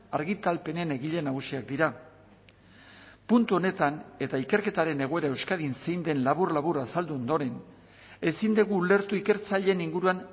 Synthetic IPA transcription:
aɾɣit̪alpe̞nene̞ɣiʎe̞naɣusiak̚d̪iɾa | punt̪uo̞ne̞t̪ane̞t̪aike̞ɾke̞t̪aɾe̞ne̞ɣ̞o̞e̞ɾae̞wskaðinse̞jnd̪e̞nlaβurlaβurasald̪uo̞nd̪o̞ɾe̞n | e̞sind̪eɣuːle̞ɾt̪uike̞ɾt͡saʎe̞niŋɡuɾuan

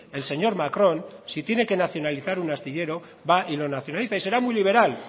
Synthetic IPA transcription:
e̞lse̞ɲo̞ɾmakɾo̞nsit̪je̞ne̞ke̞naθjo̞naliθaɾunast̪iʎe̞ɾo̞ | βaʔilo̞naθjo̞naliθaise̞ɾamujliβ̞e̞ɾal

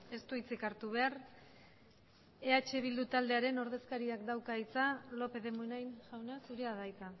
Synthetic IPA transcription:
e̞st̪uit͡sekaɾt̪uβ̞e̞ar | e̞at͡ʃe̞β̞ild̪ut̪ald̪e̞aɾe̞no̞ɾðe̞skaɾiakd̪awkait͡salo̞pe̞ðe̞munajnʝawnasuɾiaðajt͡s̪a

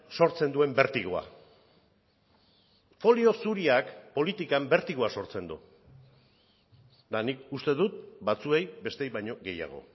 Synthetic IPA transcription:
so̞ɾt͡se̞nd̪ue̞mbe̞ɾt̪iɣoa̰ | fo̞lio̞suɾiakpo̞lit̪ikambe̞ɾt̪iɣoaso̞ɾt͡se̞nd̪u | d̪anikust̪e̞ðut̪bat͡sue̞jbe̞st̪ejβajɲo̞ɣe̞ja̰ɣ̞o̞̰

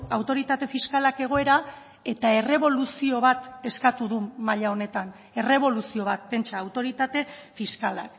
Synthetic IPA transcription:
awt̪o̞ɾit̪at̪e̞fiskalake̞ɣ̞o̞e̞ɾa | e̞t̪ae̞re̞βo̞lusio̞β̞at̪e̞skat̪uðumaʎao̞ne̞t̪an | e̞re̞β̞o̞lusio̞β̞at̪̚pe̞nt͡ʃaːwt̪o̞ɾit̪at̪e̞fiskala̰k

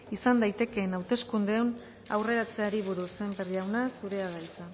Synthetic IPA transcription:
isand̪ajt̪e̞ke̞ːnawt̪e̞skund̪e̞on | a̰wre̞ɾat͡se̞aɾiβ̞uɾuse̞mberiawnasuɾe̞aɣajt͡sa

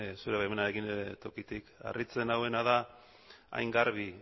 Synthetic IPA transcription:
suɾe̞βajmenaeɣineet̪o̞kit̪ika̰rit͡se̞nawe̞naða | a̰jŋɡaɾβi

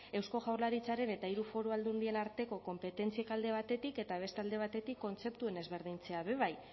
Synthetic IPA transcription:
e̞wsko̞ʝawɾlaɾit͡saɾe̞ne̞t̪aiɾufo̞ɾoald̪und̪ie̞naɾt̪e̞ko̞ko̞mpe̞t̪e̞nt͡siekald̪e̞β̞at̪e̞t̪ike̞t̪aβ̞e̞st̪ald̪e̞β̞at̪e̞t̪ikːo̞nt͡se̞pt̪ue̞ne̞zβe̞ɾðint͡se̞aβe̞β̞aj

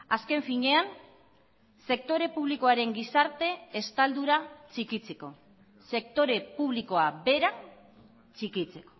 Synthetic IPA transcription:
aske̞ɱfiɲe̞an | se̞k̚t̪o̞ɾe̞puβ̞liko̞aɾe̞ŋɡisaɾt̪e̞ːst̪ald̪uɾat͡ʃikit͡se̞ko̞ | se̞k̚t̪o̞ɾe̞puβ̞liko̞abe̞ɾa | t͡sikit͡se̞ko̞̥

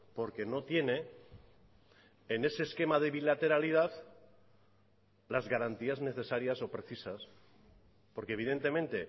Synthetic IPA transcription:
po̞ɾke̞no̞t̪je̞ne̞ | ne̞seːske̞maðe̞βilat̪e̞ɾaliðaθ | lazɣaɾant̪iazne̞θe̞saɾjaso̞pɾe̞θisas | po̞ɾkeβiðe̞nt̪e̞mẽ̞nt̪e̞

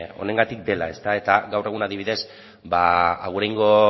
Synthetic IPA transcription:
o̞̰ne̞ŋɡat̪ik̚d̪e̞la̰e̞st̪ae̞t̪aɣawre̞ɣunaðiβ̞iðe̞s | baːɣ̞uɾajŋɡo̞

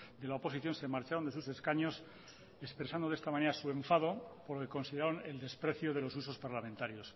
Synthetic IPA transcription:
d̪e̞laopo̞siθjo̞nsemaɾt͡ʃaɾo̞nd̪esuse̞skaɲo̞s | espɾesand̪oest̪amãneɾasue̞ɱfað̞o̞poɾlokeko̞nsiðeɾaɾone̞̰ld̪e̞spɾe̞θjoðe̞lo̞s̬uso̞spaɾlament̪aɾjo̞s

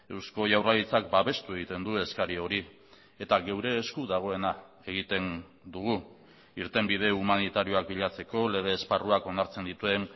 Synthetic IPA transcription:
e̞wsko̞ʝawraɣit͡sak̚baβe̞st̪ue̞ɣit̪e̞nd̪ue̞skaɾio̞ɾi | e̞t̪aɣe̞wɾe̞ːskuðaɣ̞o̞e̞na | e̞ɣit̪e̞n | d̪uɣ̞u | iɾt̪e̞mbið̞e̞umanit̪aɾio̞ak̚biʎat͡se̞ko̞le̞ɣ̞e̞ːsparuako̞naɾt͡se̞nd̪it̪ue̞n

